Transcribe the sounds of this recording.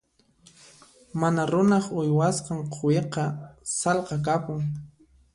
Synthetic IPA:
manaɾʊnɑχʊjwasqɑɴqʰoweqɑsɑlqɑk̬apʊŋ

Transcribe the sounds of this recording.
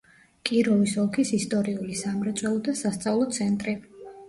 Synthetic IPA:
kʼiɾɔvisɔlˠkʰisist̪ʼɔɾiulisamɾɛt̪sʼwɛlˠɔd̪asast̪sʼavlˠɔt̪sʰɛnt̪ʼɾi

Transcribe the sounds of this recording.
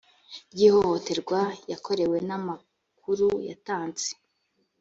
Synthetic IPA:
bɟiːho̞ho̞te̞ɾɡwajako̞ɾe̞we̞nama | kʰuɾuja̰taːnt͡se̥

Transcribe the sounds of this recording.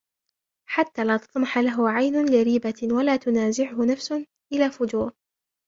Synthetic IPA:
ħat̪ːaːlaːt̪ɑ̥t̪ˤmɑħalaɦʊʕajnʊlɪɾiːbawalaːt̪ʊnaːzɪʕʊhʊnafsʊ | ʔɪlaːfʊd͡ʒuːɾˤ

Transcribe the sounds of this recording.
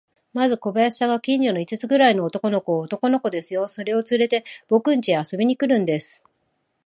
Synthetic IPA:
mazɨko̞baaɕi̥saɡakʲĩɲ̟d͡ʑo̞no̞it͡sɨt͡sɨɡɯ̟ɾaino̞ːt̪o̞ko̞no̞ko̞ːt̪o̞ko̞no̞ko̞d̪e̞sɨjo̞so̞ɾe̞o̞t͡sɨɾe̞t̪e̞b̥o̞kɯ̟̃ɲ̟t͡ɕieaso̞bʲiɲ̟ikɯ̟ɾɯ̟̃nd̪e̞sɨ̥

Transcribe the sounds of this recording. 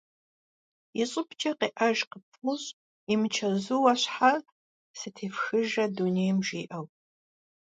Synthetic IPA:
iɕʼɪpʰt͡ʃʼɐqeːʔɐʒqəpʰʊɕ | imɨt͡ʃʰɐzuwɐɕħar | sɨtʰeːfxɨʒɐdunejmʒiːʔɐw

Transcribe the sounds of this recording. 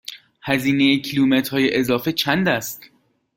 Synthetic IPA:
hæziːnejecʰiluːmet̪ɾhɒːjeʔezɒːfe̞t͡ʃʰænd̪æst̪

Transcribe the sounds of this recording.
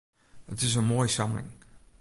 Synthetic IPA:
ətɪzəmɔjsʌmɪ̰̃ŋ

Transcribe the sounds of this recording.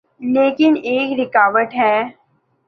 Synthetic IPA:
leːkɪneːkɾɪkaːʋəʈɦɛː

